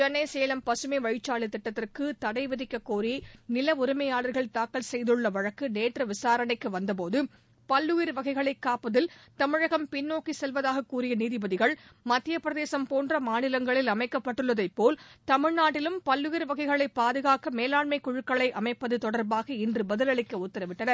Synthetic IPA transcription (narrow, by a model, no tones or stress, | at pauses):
t͡ʃɛnːɐsɛjɐlɐmpɐsɯmeːʋɐɻɪt͡ʃːaːɭɪt̪ːɪʈːɐt̪ːɪrkɯt̪ɐɽɐɪʋɪðɪkːɐkːoːɾinɪlɐʋʊɾɯmɐjaːɭɐɾɣɐɭt̪aːkːɐlsɛjðɯɭːɐʋɐɻɐkːɯneːʈrɐʋɪsaːɾɐnɐɪkːɯʋɐnd̪ɐp̬oːðɯ | pɐlːɯɣɪɾʋɐɣɐɪɣɐɭɐɪkːaːpɐðɪlt̪ɐmɪɻɐɣɐmpɪnːoːkːisɛlʋɐðaːɣɐkːuːɾɪjɐniːðɪbɐðɪɣɐɭmɐt̪ːɪjɐpɾɐðeːsɐmpoːndrɐmaːnɪlɐŋɡɐɭɪlɐmɐɪkːɐpːɐʈːɯɭːɐðɐɪpːoːlt̪ɐmɪɻnaːʈːɪlɯmpɐlːɯɣɪɾʋɐɣɐɪɣɐɭɐɪpːaːðɯɣaːkɐmeːlaːɭmɐɪkːʊɻɯkːɐɭɐɪʔɐmɐɪpːɐðɯt̪ɔɽɐɾbaːɣɐɪndrɯbɐðɪlɐɭɪkːɐʊt̪ːɐɾɐʋɪʈːɐnɐɾ